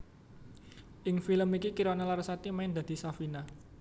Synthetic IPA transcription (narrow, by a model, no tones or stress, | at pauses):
ʔɪŋfiləmikikiɾɔnelaɾsat̪imaɪnd̪̥a̤d̪̥i̤safina